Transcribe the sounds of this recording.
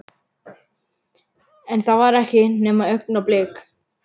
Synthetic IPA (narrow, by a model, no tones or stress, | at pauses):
ɛnθavaɾɛhcɪnɛːmaœknaplɪːk